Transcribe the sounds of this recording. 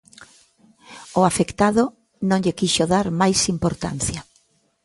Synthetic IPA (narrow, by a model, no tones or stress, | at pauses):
ʊafekt̪aðʊ | nõŋʎɪkiʃoðaɾmajsimpoɾt̪a̰n̟θjɐ